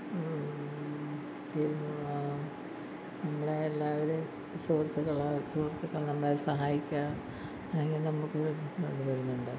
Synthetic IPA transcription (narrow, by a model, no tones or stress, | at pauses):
p̪iːɾunu | nɐmːɐɭeːlːaːʋɐɾe | soːrt̪ːɐkːɐɭasoːrt̪ːɐkːɐɭnɐmːɐɭesɐɦaːjikʲːaː | ɐlːeŋɡilnɐmukːɨðʋeɳɖɨʋɐɾunːɐuɳɖaː